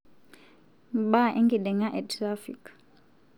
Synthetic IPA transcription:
baʔɛŋɡiɗɛŋaʔɛtɾafik

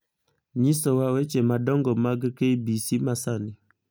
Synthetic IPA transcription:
ɲisɔwawet͡ʃemadɔŋɡɔmaɡkeibisimasani

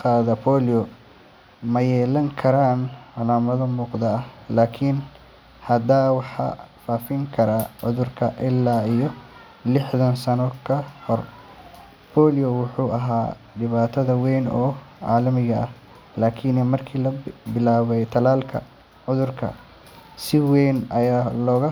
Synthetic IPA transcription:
qaːðɐpʰɔːlijɔ | mɐjɛːlɐŋkʰɐɾaːnʕɑlaːmɐðɐmuːqd̪ɐɐhlaːkʰɪn | hɐd̪aːwɑħɑ̰faːfɪŋkʰɐɾaːʕʊðʊrkʰɐʔɪlːaːijɔ | lɪħðɐnsɐnɔkʰɐhɔr | pʰɔːlijɔwʊħuːʔɐɦaː | ɖɪβaːt̪ʰɐðɐwɛjnɔːʕɑ̰ːlɐmɪɣɐɐh | laːkʰiːnɛmɐrkʰiːlɐbɪlaːβɛjt̪ʰɐlaːlkʰɐ̰ | ʕʊðʊrkʰɐ̰ | sɪwɛnɐjaːlɔːɣɐ

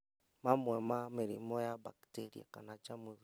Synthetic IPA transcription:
mamwɛmamiɾḭmɔjabakteɾḭa̰kanat͡ʃamwe

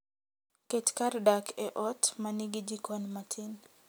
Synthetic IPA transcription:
ket͡ʃkardakʰɛʔɔtmaniɡid͡ʒikɔnmatʰɪn

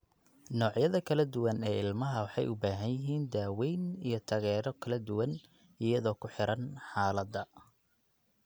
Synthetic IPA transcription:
nɔːʕjɐðɐkʰɐlɐd̪ʊwɐnɛːɪlmɐɦɐwɑħɑ̰jʔʊbaːɦɐnjɪɦiːnd̪aːwɛjnijɞt̪ʰɐɣɛːɾɔkʰɐlɐd̪ʊwɐn | ɪjɐðɔːkʰʊħɪɾɐnħɑːlɐd̪ːɐ

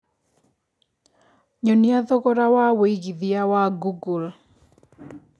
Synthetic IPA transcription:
ɲɔniaðɔɣɔɾawaweiɣiðiawaɡuɡul

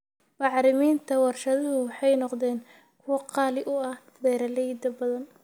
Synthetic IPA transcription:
mɑʕɾɪmiːnt̪ʰɐwɑrʃɐðɐɦʊwħɑjnɔqðɛːn | kʰʊwɑqɑːlɪʔʊɐh | b̪ɛːɾɐlɛjd̪ɐbɐðɐn

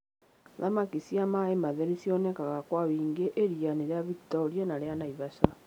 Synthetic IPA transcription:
ðamakisiamaemaðeɾisiɔnɛkaɣakwaβiːŋɡeʔeɾianeɾeaβiktɔɾianaɾeanaiβaʃa

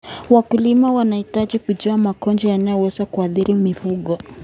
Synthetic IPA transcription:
wakulimawanahitaʄikuʄɔamakɔnd͡ʒɔjanajɔwɛzakuaθiɾimifuɠɔ

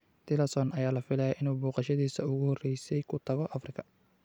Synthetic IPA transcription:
t̪ʰɪlɐsɔnʔɐjaːlɐfɪlɛjɐʔɪnuːbɔːqɑʃɐðiːsɐʊɣʊhɔrːɛjsɛjkʰʊt̪ʰɐɣɔʔɐfrɪkʰɐ̥

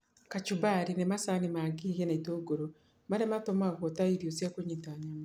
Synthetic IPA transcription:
kat͡ʃubaɾinemasanimaɡiɣenaitoɡoɾo | maɾematomaɣotaiɾiosiakoɲitaɲama

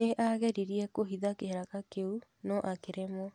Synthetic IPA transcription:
eʔaɣɛɾiɾiɛkoɦiðakeɦɛɾakakeunɔʔakeɾemɔ

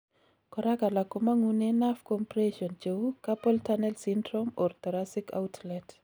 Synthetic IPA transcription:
kɔɾakalakomaŋunenafkɔmpɾeʃɔnt͡ʃewukapɔltanɛlsindɾomɔrt̪ɔɾasika̰utʰlɛt

